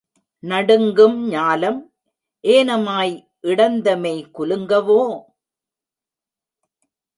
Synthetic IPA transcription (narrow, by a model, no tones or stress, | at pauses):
nɐɽɯŋɡɯmɲaːlɐm | ʔeːnɐmaːj | ʔɪɽɐnd̪ɐmɐɪkʊlɯŋɡɐʋoː